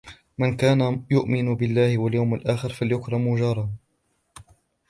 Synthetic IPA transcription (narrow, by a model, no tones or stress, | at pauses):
mɪnkaːnajʊʔmɪnbɪlːaːhɪwaljawmalʔaːxɪɾfaljʊkɾˤɑmud͡ʒɑːɾˤɑ